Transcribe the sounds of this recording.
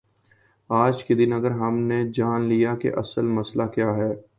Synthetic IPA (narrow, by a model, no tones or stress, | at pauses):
aːd͡ʒked̪ɪnɐɡəɾɦɐmned͡ʒaːnlijakḛʔɐ̰səlmɐslakjaːɦɛː